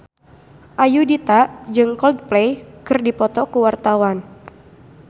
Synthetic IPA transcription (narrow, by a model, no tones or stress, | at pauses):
ʔajudit̪aʔd͡ʒɨŋkɔld̪̚plejkɨrdipɔt̪ɔkuwart̪awan